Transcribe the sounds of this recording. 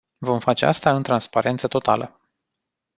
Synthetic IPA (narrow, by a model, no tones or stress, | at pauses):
vo̞mfat͡ʃe̞a̰st̪aɨnt̪ɾanspaɾe̞nt̪sət̪o̞t̪a̰lʔə